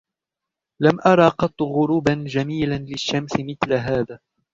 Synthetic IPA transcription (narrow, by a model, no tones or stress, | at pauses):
lamʔɑɾˤɑːqɑt̪ˤːɣʊɾuːband͡ʒamiːlanlɪʃːamsɪmɪθlaɦaːðaː